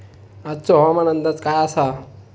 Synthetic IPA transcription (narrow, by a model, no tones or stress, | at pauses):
at͡soɦaamanənd̪at͡skajasa